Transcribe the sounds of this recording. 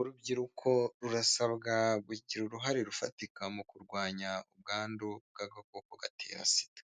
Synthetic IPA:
uɾubɟiɾukʰo̞ɾuɾasaβɡaɡiɟiɾuɾuɦaɾeɾufatikamukuɾɡwaːɲaub̚ɡaːnduɡaɡakokoɡa̰tʰḛːɾa̰si̥tḁ

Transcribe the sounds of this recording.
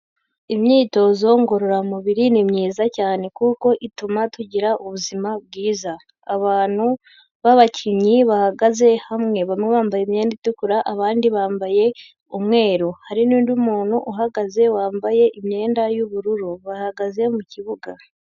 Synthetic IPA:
imɲiːto̞zo̞ŋɡo̞ɾo̞ɾamuβiɾinimɲiːzacaːne̞kuko̞ʔitumatuɟiɾaʔuβuzimabɡiːzaː | βaːn̥hu | βaβacʰiɲiβahaɡaze̞hamŋe̞βamŋeβaːmbajemɲe̞ːnditukuɾaʔaβaːndiβaːmbaje̞ | umŋe̞ːɾohaɾiniːndumuːn̥huʔuɦaɡaze̞waːmbaje̞ʔimɲe̞ːndajuβuɾuɾuβahaɡaze̞muciβuɡa

